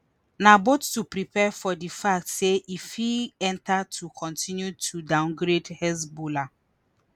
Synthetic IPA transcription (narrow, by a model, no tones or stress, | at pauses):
nabotːupɾipɛfɔdifak̚tseʔifiɛ̃ntatʰukʰɔ̃ntĩnjutʰudãʊ̃nɡɾedhɛsbola